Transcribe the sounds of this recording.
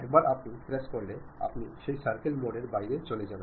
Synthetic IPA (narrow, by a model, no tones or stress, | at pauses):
ɛk̚baɾʔapnipɾeskoɾlea̰pniʃejsaɾkelmoɖeɾbajɾet͡ɕoled͡ʑan